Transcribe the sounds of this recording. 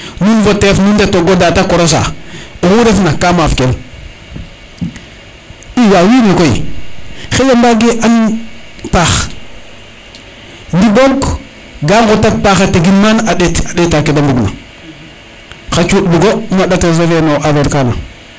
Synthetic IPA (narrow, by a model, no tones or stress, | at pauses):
nunvotefnundatoɡodatakoɾos̬a̰uɣuɾefnakamafkel | ijawinikoḭ | xejambaɡeʔan | pax | ndiboɡ | ɡaŋɡotat̚paxataɡinmanadeadetakedambuɡna̰ | xat͡ʃuduɡomadatasevenoʔaveɾkana̰